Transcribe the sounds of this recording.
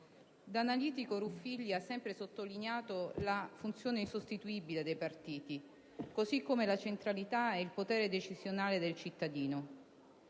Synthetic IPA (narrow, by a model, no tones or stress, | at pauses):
d̪analiːt̪ikoɾufːilːiasːɛmpɾesot̪ːolinjaːt̪olafunt̪sjoːneinsost̪it̪uiːbiled̪ejpart̪iːt̪i | kozikːomelat͡ʃent̪ɾalit̪aɛilpot̪ɛːɾed̪et͡ʃizjonaːled̪elt͡ʃit̪ːad̪iːno